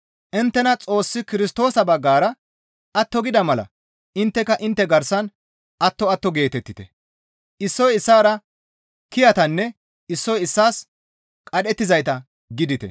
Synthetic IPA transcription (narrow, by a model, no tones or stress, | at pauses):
ʔɪnt̪ːɛnɐt͡sʼo̞ːsːɪkɪɾɪst̪o̞ːsɐbɐɡːaːɾɐ | ʔɐt̪ːɔɡɪd̪ɐmɐlɐ̰ | ɪnt̪ːɛkɐʔɪnt̪ːɛɡɐɾsɐn | ɐt̪ːɔɐt̪ːɔɡe̞ːt̪ɛt̪ːɪt̪ɛ̰ | ʔɪsːɔjɪsːaːɾɐ | kɪjɐt̪ɐnːɛ | ɪsːɔjɪsːaːs | kʼɐɗɛt̪ːɪzɐjt̪ɐ | ɡɪd̪ɪt̪ɛ̰